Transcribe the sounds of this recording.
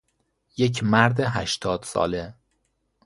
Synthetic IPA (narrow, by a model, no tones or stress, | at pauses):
je̞cʰmæɾd̪eɦæʃt̪ʰɒːd̪̥sɒ̰ːle